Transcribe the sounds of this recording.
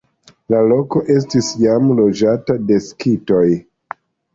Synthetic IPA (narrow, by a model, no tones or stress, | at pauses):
lalo̞ko̞ʔe̞s̬tisjamlo̞d͡ʒatade̞skito̞j